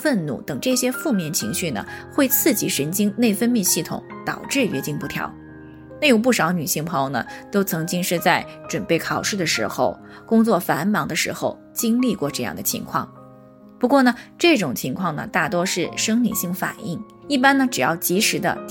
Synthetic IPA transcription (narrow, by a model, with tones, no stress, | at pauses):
fə˥˧nnṵ˥˩t̪ɤ˨˩ŋʈ͡ʂɤ˥˩ɕjɛ˥fu˥˧mjɛ˥˩nt͡ɕʰi˧˥ŋɕy˥˩nə̰˩xwe˥˧ɪt͡sʰɹ̩˥˩t͡ɕi˧˨˥ʂə˧˥nt͡ɕi˥ŋne˥˩ɪfə˥nmjɛ˥˧ɕi˥˩t̪ʰʊ̰˨˩˦ŋt̪ɑ̰˨˩ʊʈ͡ʂɻ̩˥˩ɥɛ̰˧˥t͡ɕi˥˧ŋpu˥˩t̪ʰjɑ̰˧˥ʊ | na˥˩jo˨˩ʊp̬u˥˩ʂɑ˧˥ʊny˨˩ɕi˥˩ŋpʰjnə˩t̪o˥ʊt͡sʰɤ˧˥ŋt͡ɕi˥ŋʂɻ̩˥˧t͡sa˥˩ɪʈ͡ʂwə˨˩npe˥˩ɪkʰɑ˨˩ʊʂɻ̩˥˩d̪ə˩ʂɻ̩˧˥xo˥˧ʊ | kʊ˥ŋt͡swɔ˥˩fa˧˥nmɑ˧˥ŋd̪ə˧ʂɻ̩˧˥xo˧ʊ | t͡ɕi˥ŋli˥˧kwɔ˥˧ʈ͡ʂɤ˥˧jɑ̰˥˩ŋd̪ə˩t͡ɕʰḭ˧˥ŋkʰwɑ̰˥˩ŋ | pu˧˥kwɔ˥˩nə˩ʈ͡ʂɤ˥˩ʈ͡ʂʊ˨˩ŋt͡ɕʰi˧˥ŋkʰwɑ˥˩ŋnə̰˩t̪a˥˩t̪̬wɔ˥ʂɻ̩˥˩ʂɤ˥ŋlḭ˨˩ɕi˥˩ŋfa̰˨˩ni˥˩ŋ | i˥˩pa˥nə˨ʈ͡ʂɻ̩˨˩jɑ˥˩ʊt͡ɕi˧˥ʂɻ̩˧˥d̪ə̰˧